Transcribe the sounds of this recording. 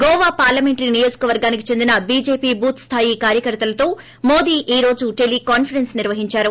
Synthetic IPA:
ɡɔːʋaːpaːɾlɐme̞ɳʈninijo̞ːd͡ʒu̥kɐʋɐɾɡaːnikit͡ʃe̞nd̪inɐbiːd͡ʒe̞ːpiːbuːt̪st̪ʰaːjikaːɾjɐkɐɾt̪ɐlɐt̪o̞ː | moːd̪iːʔiːɾo̞ːd͡ʒuʈe̞likaːnfɐɾensniɾʋɐɦiɲt͡ʃaːɾu

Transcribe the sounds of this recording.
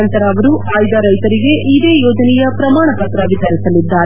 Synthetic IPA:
ɐnt̪ɐɾɐːʋɐɾuaːjd̪aɾɐjt̪ɐɾiɡe̞ʔid̪e̞ːjɔːd͡ʒɐnɛjɐpɾɐmaːɳɐpɐt̪ɾɐʋid̪ʱɐɾisɐlid̪ːaːɾe

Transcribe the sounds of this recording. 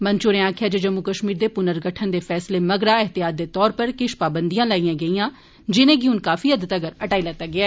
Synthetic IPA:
mənt͡ʃʊɾẽːãːkʰjaːd͡ʒeːd͡ʒəmːukəʃmiːɾd̪eːpʊnəɾɡəʈʰːənd̪eːpʰɛːsleːməɡɾaːɪɦt̪ɪjaːd̪ːeːt̪ɔːɾpəɾkɪʃpaːbənd̪ijãːlaːiːãːɡəijãː | d͡ʒɪnẽːɡiʊnkaːfʰiːəd̪ət̪əɡəɾəʈaːilɛːt̪ːaːɡɪaː

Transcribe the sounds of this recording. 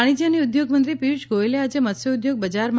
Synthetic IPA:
ɽ̃id͡ʒaniud̪joɡmə̃nt̪ɾipiʃɡoelead͡ʒemət̪sjeʊd̪joɡ̚bəd͡ʒaɾm

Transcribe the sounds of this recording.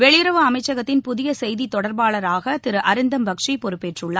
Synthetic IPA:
ʋɛɭɪɾɐʋɯɐmɐɪt͡ʃːɐɣɐt̪ːɪnpʊðɪjɐsɛjðit̪ɔɽɐɾbaːɭɐɾaːɣɐt̪ɪɾɯʔɐɾɪnd̪ɐmbɐkʂipɔɾɯpːeʈrɯɭːɐ

